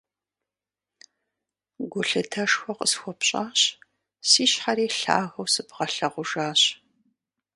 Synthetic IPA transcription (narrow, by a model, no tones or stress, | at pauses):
ɡʷʊɬɨtʰɐʂxʷɔqə̰sxʷɔpɕʼaːɕ | siːɕħaɾiːɬa̰ːɣɐwsɨbʁɐɬɐʁʷʊʒaːɕ